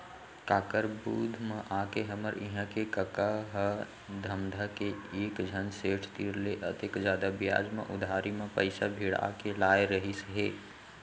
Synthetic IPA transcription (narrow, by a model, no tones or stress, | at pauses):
kaːkəɾbuːd̪ʱmẽʔaːkeɦəməɾɪɦə̃kekəkaɦə | d̪ʱəmd̪ʱəkeeːkd͡ʒʱənseːʈʰt̪iɾleʔə̰t̪ɪkd͡ʒjaːd̪abɪja̰ːd͡ʒmḛ̃ʔʊd̪ʱaːɾimẽpə̰ɪsa̰bʱiːɽa̰kelaːjɾəɦisɦeː